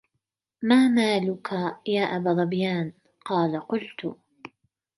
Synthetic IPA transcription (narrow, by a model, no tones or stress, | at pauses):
maːmaːlʊkʰajaːʔabaːd̪ˤɑbjaːn | qɑːlaqʊlt̪ʊ̰